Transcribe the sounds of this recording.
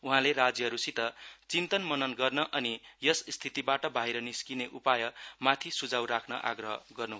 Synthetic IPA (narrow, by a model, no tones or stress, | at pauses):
uɦãlerad͡zjʌɦʌɾusit̪ʌt͡sint̪ʌnmʌnʌnɡʌrnʌʔʌnijʌsst̪ʰit̪ibaʈʌbʱaiɾʌniskineʔupajʌmat̪ʰisud͡zawɾakʰnʌ̰ʔa̰ɡrʌɦʌ̰ɡʌrnuɦo